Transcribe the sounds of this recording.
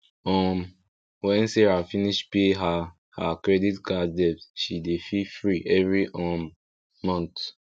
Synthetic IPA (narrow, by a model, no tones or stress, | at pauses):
ɔm | wɛ̃nsɛɹafiniʃpeɦa | hakɹɛditkadɛpsʃidefifɹiʔɛvɹiʔɔmː | ɔ̃nt